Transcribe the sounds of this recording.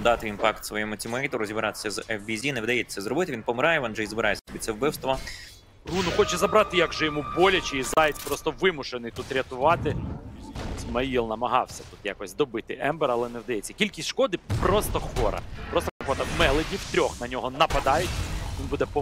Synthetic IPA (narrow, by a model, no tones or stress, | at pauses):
d̪ɑt̪ɪʋinpɑkt̪sʋɔjɛmʊt͡sʲimɐit̪ɔɾɔzʲibɾɑt̪ɪ̥sʲɐzɛfbʲizʲineʋɪd̪ɐjɛsɛzrɔbɪt̪ɪʋʲinpɔmɪɾɑjɛʋɔnʒɛizbɪɾɑjesʲɛɔbɪt̪ʲt͡s̪ʲːɛwbɪwst̪ʋɔ | runʊxɔt͡ʃɛzɐbɾɑt̪ɪjaɡʒɛjɔmubɔlʲɐt͡ʃɪizɑjɪt͡sʲpɾɔst̪ɔʋɪmʊʃenɪjt̪ut̪ɾʲɐt̪ʊʋɑt̪ɪ | sʲmɐilˠnɐmɐɦɑwsʲɐt̪u̥t̪ja̰kɔsʲd̪ɔbɪt̪ɪʔɛmbɛɾɐlˠɛneʋd̪ɐjɛt͡sʲːɐ̥kʲilʲkʲisʲt̪ʲʃkɔd̪ɪpɾɔst̪ɔxʋɔɾɐ̰pɾɔst̪ɔkɐpɔt̪ɐmɛlˠedʲiwt̪ɾʲɔxnɐnʲɔɦɔnɐpɐd̪ɑjʊtʲʋʲinbud̪ɛpɔ